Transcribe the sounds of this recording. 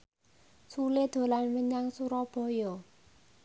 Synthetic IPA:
suled̪̥o̤lanməɲaŋsuɾɔb̥ɔ̤jɔ

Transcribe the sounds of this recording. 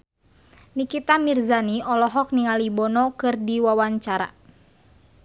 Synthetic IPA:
nikit̪amirzaniɔlɔɦɔk̚niŋalibɔnɔkɨrdiwawaɲt͡ʃaɾa̰

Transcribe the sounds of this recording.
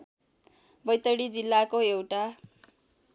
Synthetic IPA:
bʌjt̪ʌɽid͡zilːakoewʈa

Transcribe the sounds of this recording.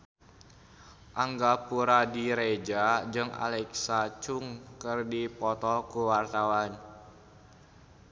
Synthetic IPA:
ʔaŋɡapuɾadiɾed͡ʒad͡ʒɨŋa̰lɛksat͡ʃuŋkɨrdipɔt̪ɔkuwart̪awan

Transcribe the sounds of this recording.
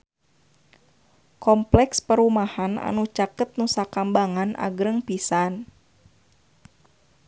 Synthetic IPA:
kɔmplɛkspəɾumahana̰nut͡ʃakət̪̚nusakambaŋanʔa̰ɡɾəŋpisan

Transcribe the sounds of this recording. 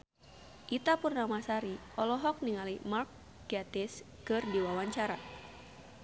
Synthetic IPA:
ʔit̪apurnamasaɾiʔɔlɔɦɔk̚niŋalimark̚ | ɡat̪ɛs | kɨrdiwawaɲt͡ʃaɾa

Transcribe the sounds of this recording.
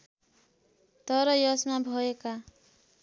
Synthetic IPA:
t̪ʌɾʌjʌsmabʱʌeka

